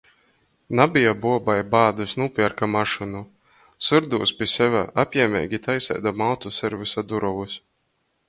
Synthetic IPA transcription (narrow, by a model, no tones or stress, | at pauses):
nabijabuɔbajbaːd̪usnupʲiɛɾkamaʃɨnu | sɨɾd̪uːspʲiɛsɛvʲæ̰ʔapʲjɛɛmʲɛ̰ːɡʲit̪ʰajsɛ̰jd̪amawt̪usɛɾvɨsad̪uɾɔvus